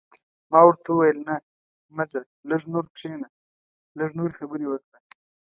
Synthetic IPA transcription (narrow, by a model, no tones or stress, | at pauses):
mɑwəɾt̪auwajəlna | maza | ləʐnoɾkʂena | laʐnoɾixabəɾiwəkɽa